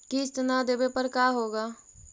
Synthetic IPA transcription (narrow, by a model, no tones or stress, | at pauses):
kɪɪst̪ənaːd̪eːbepəɾkaːɦoːɡaː